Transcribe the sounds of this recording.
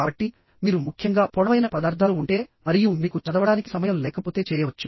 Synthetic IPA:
aːbɐʈːi | miːɾumukʰjɐŋɡaːpɔːɽɐʋɐjnɐpɐd̪aːɾd̪ʱaːluuɳʈe̞ːmɐɾijumiːkut͡ʃɐd̪ɐʋɐɽaːniki̥sɐmɐjɐːlulɛːkɐpo̞ːt̪e̞ːt͡ʃɛːjɐʋɐt͡ʃːu

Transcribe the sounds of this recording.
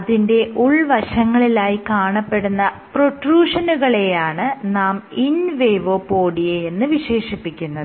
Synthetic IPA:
ɐðinde̞ʔuɭʋɐɕɐŋːɐɭilaːjikaːɳɐpːe̞ɽunːɐ | proʈruːʂɐnuɣɐɭe̞jaːɳɨnaːminʋejʋoːpoːɽijeenːɨʋiɕe̞ːʂipːikʲːunːɐðɨ

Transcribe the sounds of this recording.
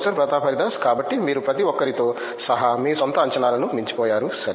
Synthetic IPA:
sɐɾpɾɐt̪aːpʰɐɾid̪aːskaːbɐʈːimiːɾupɾɐt̪iɔkːɐɾit̪o̞ː | sɐɦɐmiːsɐnt̪ɐɐɲt͡ʃɐnaːlɐnumiɲt͡ʃi̥pɔːjaːɾusɐɾ

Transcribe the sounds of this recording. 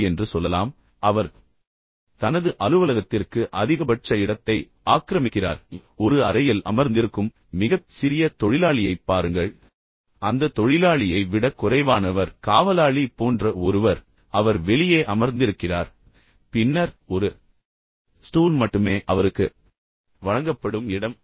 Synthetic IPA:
ɛndrɯsɔlːɐlaːm | ɐʋɐɾ | t̪ɐnɐðɯʔɐlɯʋɐlɐɣɐt̪ːɪrkɯʔɐðɪɣɐpɐʈt͡ʃɐɪɽɐt̪ːɐɪ | aːkɾɐmɪkːɪra̰ːɾɔɾɯɐɾɐjɪlɐ̰mɐɾnd̪ɪɾɯkːɯmː | ɪɣɐsɪɾɪjɐt̪ɔɻɪlaːɭɪjɐɪpːaːɾɯŋɡɐɭ | ɐnd̪ɐt̪ɔɻɪlaːɭɪjɐɪʋɪɽɐkːʊrɐɪʋaːnɐʋɐɾkaːʋɐlaːɭipoːndrɐɔɾɯʋɐɾ | ɐʋɐɾʋɛɭɪjeːʔɐmɐɾnd̪ɪɾɯkːɪraːɾ | pɪnːɐɾɔɾɯ | sʈuːlmɐʈːɯmeːʔɐʋɐɾɯkːɯ | ʋɐɻɐŋɡɐpːɐɽɯmɪɽɐm

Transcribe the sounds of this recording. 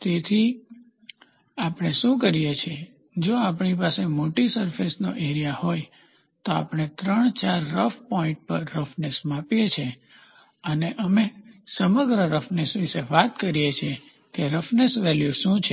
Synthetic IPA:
t̪et̪ʰi | apɳ̃eʃũkəɾijet͡ʃʰe | d͡ʒoapɳ̃ipasemoʈisəɾfʰesnoʔeɾijahoj | t̪oa̰pɳ̃et̪ɾəɳt͡ʃaɾːəfpɔĩɳʈ̚pəɾːəfnesmapjet͡ʃʰe | əneʔəmesəməɡɾəɾəfnesʋiseʋat̪kəɾijet͡ʃʰe | keɾəfnesʋɛljuʃũt͡ʃʰe

